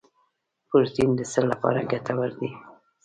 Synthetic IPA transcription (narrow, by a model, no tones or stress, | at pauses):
pʊɾt̪ind̪əsəllapɑ̰ɾa̰ɡat̪ʰawaɾd̪i